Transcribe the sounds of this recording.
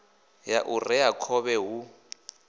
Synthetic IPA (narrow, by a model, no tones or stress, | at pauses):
jaʔurɛakʰɔβɛɦu